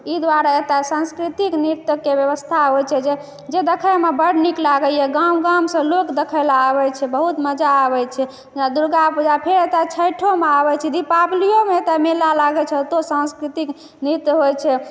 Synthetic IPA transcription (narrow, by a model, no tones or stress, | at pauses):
id̪waɾaet̪asãnskɾit̪ikniɾt̪əkːebjəβəst̪ʰaɦojt͡ʃʰɛd͡ʒe | d͡ʒed̪ekʰəjmebəɽniklaɡəjɛɡãmɡãmsə̃lokd̪ekʰəlaəβɛt͡ʃʰɛbəɦut̪məd͡ʒaəβɛt͡ʃʰɛ | d͡ʒad̪uɾɡapud͡ʒapʰeɾet̪at͡ʃʰəjʈʰomeaβɛt͡ʃʰɛd̪ipablijomeet̪amelalaɡɛt͡ʃʰɛt̪osãnskɾit̪ik | niɾt̪ɦojt͡ʃʰɛ